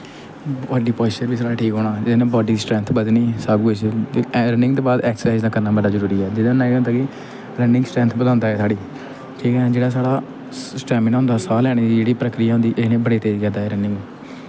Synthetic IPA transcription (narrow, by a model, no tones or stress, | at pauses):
aːɖiːpɔːt͡ʃəɾbiːsaːɽaːʈʰiːkɦoːɽ̃aːd͡ʒɪd̪eːnẽːbɔːɖiːsʈɾɛ̃nt̪ʰbəd̪niːsaːɡuːesɾənɪ̃ŋɡt̪õːbaːd̪ɛːkssaɪzd̪ãːkəɾnaːbəɖaːzəɾuːɾiːɛːd͡ʒɪd̪ãːnːãːd̪aːkɪ | ɾənɪ̃ŋɡsʈɾɛ̃ːnt̪ʰbəd̪ãːnd̪aːɛːsaːɽiː | ʈʰiːkɛːd͡ʒeːɽaːsaːɽaː | sʈɛːmɪnɦʊ̃ːnd̪aːsaːlɛːɽ̃ːid͡ʒeːɽiːpɾəkɾɪjaːɦʊ̃nd̪iːʔenẽːbəɽeːt̪eːzkɛ̃ːd̪aːɦɛːɾənɪ̃ŋɡ